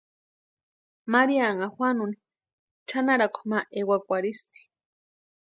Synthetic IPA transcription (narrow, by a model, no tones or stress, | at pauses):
maɾiaŋaxwʷanuni | t͡ʃʰanaɾakʰo̥maʔewakʷaɾist̪i̥